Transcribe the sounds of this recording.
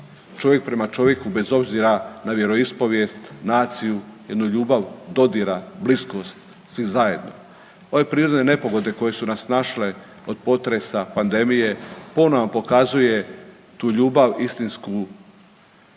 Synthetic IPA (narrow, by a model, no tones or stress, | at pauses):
t͡ʃo̞ʋje̞k̚pɾe̞mat͡ʃo̞ʋje̞kube̞zo̞bziɾanaʋje̞ɾo̞ispo̞ʋjest̪naːt̪sijuje̞d̪nuʎuːbaʋd̪o̞d̪iɾablisko̞st̪ | sʋizaje̞d̪no̰ | o̞ʋe̞pɾiːɾo̞d̪nene̞po̞ɡo̞d̪e̞ko̞je̞sunasnaʃle̞ | o̞d̪̥po̞t̪ɾesapand̪e̞mije̞po̞noʋapo̞kazuje̞ | t̪uːʎuːbaʋist̪insku